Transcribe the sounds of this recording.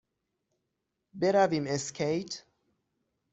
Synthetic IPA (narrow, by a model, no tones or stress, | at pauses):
bɛɾavimɛskʰeɪt